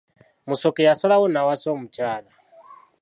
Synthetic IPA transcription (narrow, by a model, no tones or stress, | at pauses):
musɔkɛjasɔlawɔnawasɔmut͡ʃaːla